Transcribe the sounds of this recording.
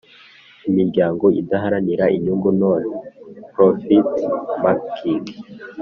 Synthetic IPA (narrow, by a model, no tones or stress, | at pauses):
imiɾɟaːŋɡo̞idaɦaɾaniɾaʔiɲuːŋɡunoːnpɾofitmakkiŋɡ